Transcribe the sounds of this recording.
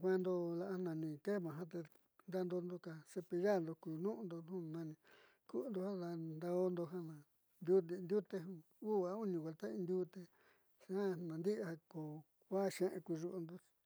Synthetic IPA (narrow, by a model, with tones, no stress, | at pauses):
kʷã˧nd̪o˧la˧ʔa˧nã˧nĩ˧ke˦˨mã˨ɦã˦t̪̬e˧ | nd̪a˦˧nd̪o˧nd̪o˧ka˧se˧pi˧ja˦˨nd̪o˧ku˨nũ˦ʔnd̪o˧nũ˦nã˧nĩ˧ | ku˦˧nd̪o˧ha˦d̪a˧nd̪a˧o˦nd̪o˧ɦã˦nã˨ | nd̪ʲu˦i˧nd̪u˦t̪e˧ɦũ˧ | uː˦˨a˧u˦nĩ˧ɡa˧lt̪a˦ĩ˧nd̪ʲuː˦t̪e˧ | ʃã˦nã˨nd̪i˦ʔa˧ko˨ | kʷa˦ʃẽ˧ʔḛ̃˧ku˧ʐu˧ʔu˧nd̪o̥˧